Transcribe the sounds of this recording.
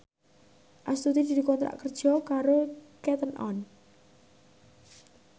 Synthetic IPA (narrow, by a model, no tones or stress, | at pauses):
ʔast̪ud̪id̪̥id̪ikɔnt̪ɾa̰ʔkərd̥ʒ̥ɔkaɾokɛt̪ənʔɔ̰n